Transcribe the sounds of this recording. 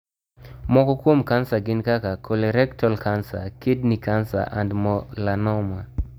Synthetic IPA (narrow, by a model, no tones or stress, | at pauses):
mɔkɔkwomkansaɡɪnkakakʰoleɾɛktɔlkansa̰kidnikansa̰ʔa̰ndmɔlanɔma